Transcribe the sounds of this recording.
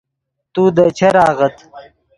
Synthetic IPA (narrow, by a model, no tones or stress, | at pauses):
t̪ud̪ɐt͡ɕʰɐɾaːɣɐt̪